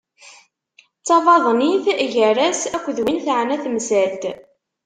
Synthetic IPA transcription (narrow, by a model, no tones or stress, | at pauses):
t͡sːɑvɑðˤniθʝəɾæsækʷːðwinθaʕnæθmsæld̪